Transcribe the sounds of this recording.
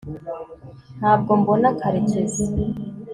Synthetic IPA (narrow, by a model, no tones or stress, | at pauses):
n̥aːb̚ɡo̞mbonakʰaɾecezi